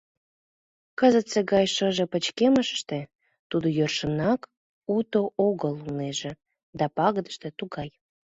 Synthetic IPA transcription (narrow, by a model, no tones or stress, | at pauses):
kəzət̪seɣɑjʃəʒĕpət͡ɕkeməʃə̥ʃt̪e | t̪ud̪ojørʃənɑk | ut̪oʔoɣəluneʒĕ | d̪ɑpɑɣəd̪əʃt̪ĕt̪uɣɑj